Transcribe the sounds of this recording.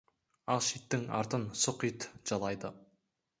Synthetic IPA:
ɑlˠʃit̪ːɪŋɑ̰ɾt̪ənsʊqit̪ʒ̥ɑlˠɑjd̪ə

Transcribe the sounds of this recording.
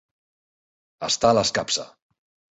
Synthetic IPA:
əst̪aləskapsə̰

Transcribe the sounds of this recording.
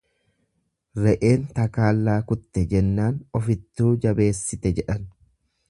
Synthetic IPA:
ɾɛʔe̞ːnt̪ɐkaːlːaːkʊt̪ːɛd͡ʒɛnːaːnɔfɪt̪ːuːd͡ʒɐbe̞ːsːɪt̪ɛd͡ʒɛᶑɐn

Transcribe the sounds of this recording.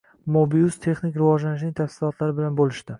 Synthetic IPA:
mobijʊst̪ʰe̞χnɪkʲɾɪvɒd͡ʒlanɪʃnɪŋt̪ʰafsɪlˠɒt̪ʰlaɾɪbɪlanbolɪʃt̪ɪ

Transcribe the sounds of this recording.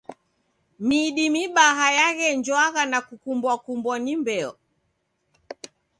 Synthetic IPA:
miɗimiɓaɦajaɣɛnd͡ʒwaɣanakukumbwakumbwɔnimbɛɔ̰

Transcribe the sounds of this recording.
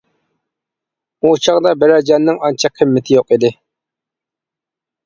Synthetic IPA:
ut͡ʃʰɑʁd̪ɑbɪɾæd͡ʒɑnːɪŋɑnt͡ʃʰɑkʰːɪmːɪt̪ʰɪjoqid̪ɪ

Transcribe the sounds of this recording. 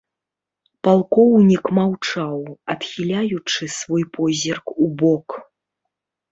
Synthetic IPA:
palˠkɔwnʲikmawt͡ʂawat̪xʲilʲajut͡ʂɨsvɔjpɔzʲɛrkubɔk

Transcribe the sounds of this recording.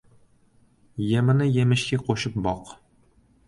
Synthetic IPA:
jæ̆mɘ̆nɘjɘ̆mɘ̆ɕkæqoɕɤp̚bɒq

